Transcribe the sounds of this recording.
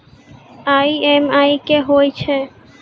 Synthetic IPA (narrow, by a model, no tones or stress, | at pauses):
ajemajkeɦojt͡ɕʰe